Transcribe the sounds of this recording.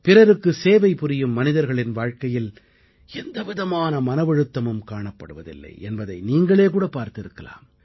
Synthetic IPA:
pɪrɐɾɯkːɯseːʋɐɪpʊɾɪjɯmːɐnɪðɐɾɣɐɭɪnʋaːɻkɐjɪl | ɛnd̪ɐʋɪðɐmaːnɐmɐnɐʋɐɻɯt̪ːɐmɯmkaːɳɐpːɐɽɯʋɐðɪ̰lːɐ̰ɪʔɛnbɐðɐɪniːŋɡɐɭeːkuːɽɐpaːɾt̪ɪɾɯkːɐla̰ːm

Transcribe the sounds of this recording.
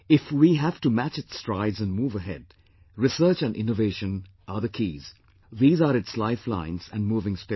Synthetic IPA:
ɪfwiɦæv̥tumæt͡ʃɨtstɹaɪdzɨ̃nmuːvəɦɛ̰d | ɹɪsəːt͡ʃæ̃nɖʔɪ̰̃noveɪʃə̃n | ʔəðəkʰiːz̥ | ðiːzaɾɨtslaɪflã̰ɪ̃nz̥æ̃nmuːvɪ̃ŋspɪ

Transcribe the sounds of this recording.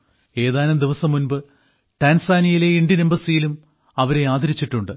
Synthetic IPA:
e̞ːðaːlɐmd̪iʋɐsɐmːunbɨ | ʈaːnsaːnijile̞iɳɖjiɐnembɐsijilum | ɐʋɐɾe̞aːd̪ʱɐɾit͡ɕːiʈːuɳɖɨ

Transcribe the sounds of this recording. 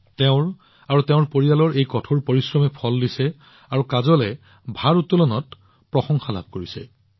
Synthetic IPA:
tɛʊ̃ɹ | aɹutɛʊ̃ɹpoɹijalɔɹʔejkɔtʰoɹpoɹisɹɔmɛpʰɔlːdisɛ | aɹukazɔlɛ | bʱaɹutːulɔnɔt | pɹɔxɔŋxala̰b̚ʱkoɹisɛ̰

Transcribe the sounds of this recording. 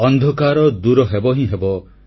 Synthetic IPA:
ɔnd̪ʱɔkaɾɔd̪uɾɔɦebɔɦĩɦebɔ

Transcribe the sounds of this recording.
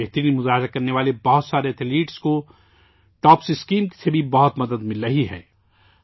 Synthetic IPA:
eɦt̪əɾiːnmʊzaːɦɪɾakɐɾneʋaːlebɐɦʊt̪saːɾeɐt̪ʰliːʈsko | ʈɔːpsɪskiːmki̥sebʱibɐɦʊt̪mɐd̪əd̪mɪlɾɐɦiɦɛ̰ː

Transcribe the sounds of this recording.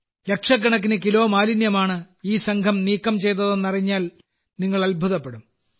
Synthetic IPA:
lekʂɐk̬ːɐɳɐkːinɨkilo̞ːmaːlinjɐmaːɳɨ | iːsɐŋɡʰʱɐmniːkːɐmt͡ɕe̞jt̪̬ːɐðe̞nːɐriɲːaːl | niŋːɐɭɐlbʱuðɐpːe̞ɽum

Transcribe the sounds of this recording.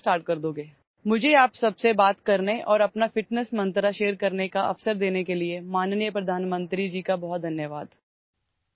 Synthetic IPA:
ʈaːɾʈ̚kɐɾd̪oːɡeː | mʊd͡ʒʱeaːpsɐbsebaːt̪kɐɾneʔɔːɾɐpnafɪʈnəsmɐ̃nt̪ɾaʃeːɾkɐɾnekaɐ̰fsəɾd̪eːnekeliemaːnnjəpɾɐd̪ʱaːnmə̃nt̪ɾid͡ʒiːkabɔɦɔt̪̚d̪ʱɐnjəʋaːd̪

